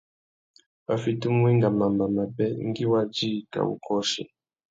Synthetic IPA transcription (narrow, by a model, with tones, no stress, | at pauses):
a˨fi˨tu˦m˦i˦ŋɡa˨ma˨mba˨ma˨bɛ˦ŋ˦ɡi˦wa˦d͡ʒi˦˨ta̰˨ṵ˨kʰɔ˦ʃi˨